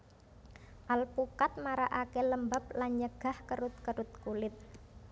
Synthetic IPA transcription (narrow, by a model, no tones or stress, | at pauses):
ʔalpukat̪̚maɾaʔakɛləmbap̚laɲəɡ̥a̤hkəɾʊt̪̚kəɾʊt̪̚kulɪt̪̚